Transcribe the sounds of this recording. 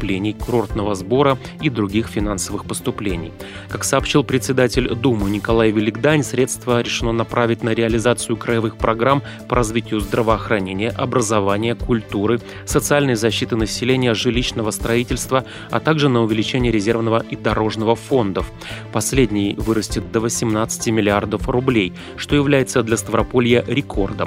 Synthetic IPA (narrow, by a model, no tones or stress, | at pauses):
plʲenʲɪjkʊɾo̞rt̪nəvəzbo̞ɾə | id̪ɾʊɡʲixfʲɪn̪ansəvɨxpəst̪ʊplʲenʲɪ̰j | kaksəːpɕːilˠpɾʲɪt̪sʲɪd̪atʲɪlʲd̪umɨnʲɪkɐlˠajvʲɪlʲɪɡd̪anʲsɾʲe̞t̪st̪vəɾʲɪʂɨno̞nɐpɾʔavʲɪtʲnəɾʲɪɐlʲɪzat̪sɨjʊkɾəɪvɨxpɾɐɡɾam | pəɾɐzvʲitʲɪjʊzd̪ɾəvəɐxɾɐnʲenʲɪjəʔɐbɾəzɐvanʲɪjəkʊlʲt̪uɾɨ | sət̪sɨalʲnəjzɐɕːit̪ɨnəsʲɪlʲenʲɪjəʐɨlʲiɕnəvəst̪ɾɐitʲɪlʲst̪və | ɐ̰t̪aɡʐɨnəʊvʲɪlʲɪt͡ɕenʲɪjəɾʲɪzʲe̞rvnəvəʔid̪ɐɾo̞ʐnəvəfo̞nd̪əf | pɐsʲlʲedʲnʲɪjvɨɾəsʲtʲɪt̪̚d̪əvəsʲɪmnat̪sɨ̥tʲɪmʲɪlʲɪard̪əfrʊblʲej | ʂt̪o̞jɪvlʲæjɪt̪səd̪lʲəst̪əvɾɐpo̞lʲɪjəɾʲɪkʰo̞rd̪ə̰m